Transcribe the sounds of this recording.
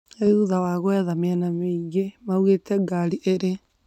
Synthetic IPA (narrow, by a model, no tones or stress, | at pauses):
euðawaɣoɛðameɛnameiɡemauɣetʰɛɡaɾiʔeɾe